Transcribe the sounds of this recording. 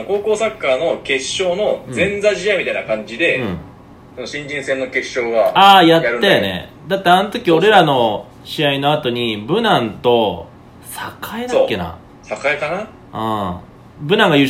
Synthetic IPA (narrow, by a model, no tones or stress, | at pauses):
ko̞ːko̞ːsakːaːno̞ke̞ɕːo̞ːno̞zẽ̞nd͡zaʑiamʲit̪ainakãɲ̟d͡ʑid̪e̞ɯ̃ | sonoɕĩɲd͡ʑĩɰ̃sẽ̞nːo̞ke̞ɕːo̞ːɡaaːjatjaɾɯajanḛ | d̪at̪ːeanot̪o̞kʲio̞ɾe̞ɾano̞ | ɕiaino̞at̪o̞ɲ̟ibɯ̟nãnt̪o̞ | sakʰaed̪aakːe̞na̰ | sakaekana | ɯ̃ː | bɯ̟nãŋɡajɯ